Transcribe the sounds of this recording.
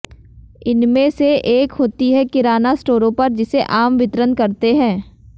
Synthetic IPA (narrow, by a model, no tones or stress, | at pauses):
ɪnmẽseʔeːkɦoːt̪iɦɛkɪɾaːnasʈoːɾõpɐɾd͡ʒɪseʔaːmʋɪt̪ɾənkɐɾt̪eɦɛ̃ː